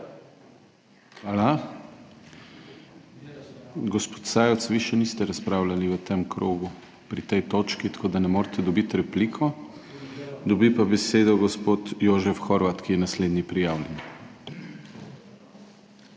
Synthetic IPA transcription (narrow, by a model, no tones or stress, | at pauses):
xaːla | ɡɔspo̥t̪saːjɔt̪sʋiʃɛnist̪ɛɾaspɾaːwlaliʋət̪emkɾoːɡu | pɾit̪ɛjt̪oːt͡ʃkit̪ḁkoːd̪anɛmoːɾt̪ʰɛd̪ɔbit̪ɾɛpliːkʰɔ | d̪ɔbipabɛseːd̪ɔɡɔspot̪joːʒɛfxoɾʋat̪kijɛnasleːd̪nʲipɾijaːwlʲɛn